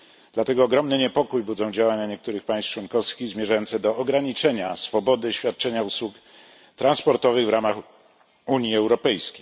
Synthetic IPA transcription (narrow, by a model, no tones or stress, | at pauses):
d̪̥lat̪ɛɡɔːɡɾɔmnɘɲɛpɔkujbud̪zɔ̃w̃d͡ʑawaɲaɲɛk̚t̪uɾɘxpãj̃st͡ʂwɔnkɔfskʲiɣzmʲjɛʐajɔntsɛd̪ɔːɡɾaɲit͡ʂɛɲasfɔbɔd̪ɘɕfʲjat̪̚t͡ʂɛɲauswuk | t̪ɾanspɔɾt̪ɔvɘɣvɾamax | uɲjiɛwɾɔpɛjskʲe̥j